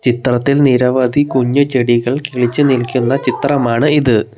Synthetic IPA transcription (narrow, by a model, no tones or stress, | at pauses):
t͡ɕit̪rɐt̪ːilniɾɐʋɐd̪ʱikuɲːut͡ɕeɽiɣɐɭkiɭit͡ɕːɨnilkʲːunːɐt͡ɕit̪rɐmaːɳɨiðɨ